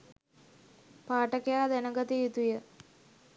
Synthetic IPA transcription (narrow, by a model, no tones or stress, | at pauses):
paːʈəkejaːd̪ɛnəɡɐt̪ijit̪ujə